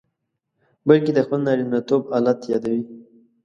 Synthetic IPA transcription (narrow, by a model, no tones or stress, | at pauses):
balked̪əxpəlnɑɾinnat̪obɑlat̪jɑd̪awi